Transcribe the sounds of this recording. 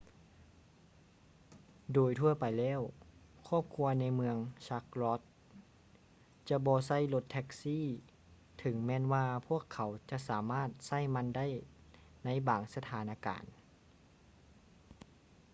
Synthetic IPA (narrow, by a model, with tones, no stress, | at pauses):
doː˨˩jt̪ʰu˧ɐpa˨jlɛː˧˥˨w | kʰɔː˥˩p̚kʰu˧˥ɐna˧˥jmɯ˧əŋsa˧˥k̚lɔː˧˥t̪̚ | t͡ɕa˧bɔː˧˦sa˥˩jlo˧˥t̪ʰːɛ˧˥k̚siː˥˨ | t̪ʰɯ˨˩˦ŋmɛː˧˥˨nwaː˧pʰu˥˩əkʰːa˨˦wt͡ɕa˧ʔsaː˩˦maː˥˩t̪̚sa˥˩˨jma˧˥˨nda˥˩˨j | na˧˥jbaː˨˩ŋsa˧t̪ʰaː˨˦nʔaː˧˩ka̰ː˨˩n